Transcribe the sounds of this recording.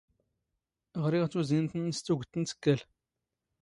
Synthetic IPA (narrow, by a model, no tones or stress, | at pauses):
ʁɾiʁt͡sːuzint̪ənst͡s̪ːuɡʷt̪ːənt͡sə̥kːəl